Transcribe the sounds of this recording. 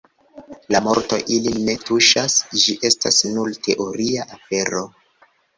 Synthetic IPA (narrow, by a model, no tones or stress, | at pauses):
lamo̞ɾto̞̰ʔiline̞tuʃasd͡ʒiʔe̞stasnultʰe̞ʔo̞ɾiaʔafe̞ɾo̞